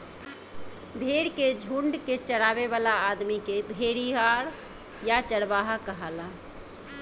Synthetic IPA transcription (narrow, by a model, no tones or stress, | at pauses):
bʱeɽked͡ʒʱuɳɖket͡ʃəɽaβeβalaːd̪mikebʱeɽiɦaɾ | jat͡ʃəɽbaɦakəɦala